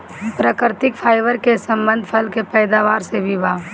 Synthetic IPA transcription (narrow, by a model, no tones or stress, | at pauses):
pɾəkɾt̪ɪkpʰaːɪʋəɾkesɐ̃mbə̃nd̪ʱpʰɐlkepɛːd̪aːʋaːɾsebʱibʱaː